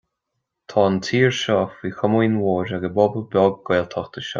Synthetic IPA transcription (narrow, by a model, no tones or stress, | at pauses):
t̪ʰɑːənt̪ʰiːɹʃɔːfviːxʊmuːnwoːɾaɡəbɔbəbɔːɡ̚ɡeːlt̪ʰɔxt̪əʃɔ̰